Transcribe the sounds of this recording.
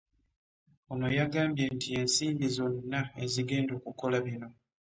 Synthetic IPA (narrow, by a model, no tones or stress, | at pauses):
ono̞jaɡaːmbje̞ntie̞nsiːmbizo̞nːae̞ziɡe̞ːndo̞ːkuko̞laβino̞